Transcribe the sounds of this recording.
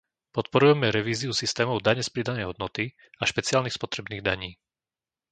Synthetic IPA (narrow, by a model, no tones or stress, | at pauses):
pɔt̪pɔɾujɛmɛɾɛʋiːziusist̪ɛːmɔʊd̪aɲɛspɾid̪anɛjɦɔd̪nɔt̪i | aʃpɛt͡sɪaːlniːspɔt̪ɾɛbniːɣd̪aɲiː